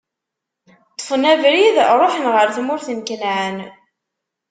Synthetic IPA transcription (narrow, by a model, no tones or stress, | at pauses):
t̪ˤːə̥fənævɾiðɾˤoħənʁəɾθmʊɾθənkənʕən